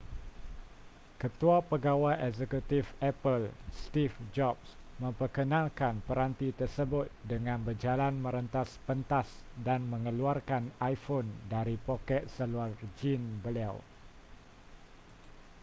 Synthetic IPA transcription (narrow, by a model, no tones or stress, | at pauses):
kət̪uapəɡawajʔɛzɛkut̪ifɛpəlst̪ifd͡ʒɔpsmə̃mpərkənãlkanpəɾant̪it̪ərsəbʊt̪̚dəŋãnbərd͡ʒalanmə̃ɾənt̪aspənt̪asdanmə̃ŋəluarkanajfondaɾipokɛt̪̚səluard͡ʒinbəlaw